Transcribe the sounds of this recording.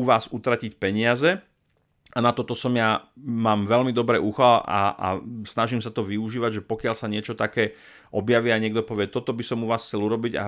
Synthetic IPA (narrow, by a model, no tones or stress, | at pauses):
uʋaːzut̪ɾacicpɛɲɪazɛ | anat̪ɔt̪ɔsɔmjamaːmʋɛlmid̪ɔbɾɛʔuxala̰a̰snaʒimsat̪ɔʋiuʒiːʋaɟʒɛpɔkɪalsaɲɪɛt͡ʃɔt̪akɛː | ʔɔbjaʋiːaɲɪɛɡ̚d̪ɔpɔʋɪɛt̪ɔt̪ɔbisɔmuʋaːsxt͡sɛluɾɔbiɟa̰